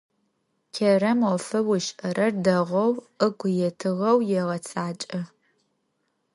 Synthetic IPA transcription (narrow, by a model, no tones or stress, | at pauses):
kʲʰɐɾɐmɔfɐwʊʃʼɐɾɐrdɐʁʷɐw | əɡʷʊjɛtʰɨʁɐwjɛʁɐt͡sʰʼaːt͡ʃʼɐ